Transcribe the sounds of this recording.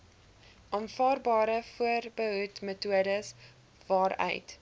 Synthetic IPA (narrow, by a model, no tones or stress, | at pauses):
ʔɑːnfɑːrbɑːɾəfuərbəɦutmətuədəs | vɑːɾœ̰ɥt